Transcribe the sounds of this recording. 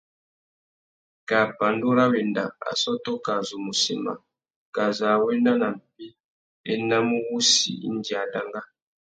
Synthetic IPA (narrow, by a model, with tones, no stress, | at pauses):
ka˨pa˨ndu˦ɾa˦βɛ˨nda̰˨a̰˨sɔ˦tɔ˦ka˨zu˨mu˨si˨ma̰˨ | ka˨za˨wɛ˦na˦na˨m̩˨pi˦ | ɛ˦na˦mu˦βu˦sḭ˨ḭ˦ndi˨a˨da˦ŋɡa˦